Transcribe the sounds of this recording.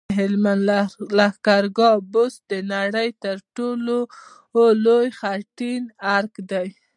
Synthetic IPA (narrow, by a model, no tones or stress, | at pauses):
ɦɪlmanlahkaɾɡɑbʊsd̪ənaɽəjt̪əɾʈolo | olojxaʈinaɾkd̪aj